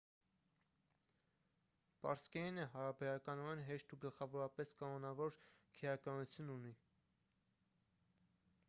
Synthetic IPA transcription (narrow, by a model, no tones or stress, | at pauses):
pɑ̰ɾskɛnəɦɑɾɑbɛɾɑkɑnɔɛnɦɛʃt̪uɡəlχɑvɔɾɑpɛskɑnɔnɑvɔɾkʰɛjɑkɑnut͡sʰjununi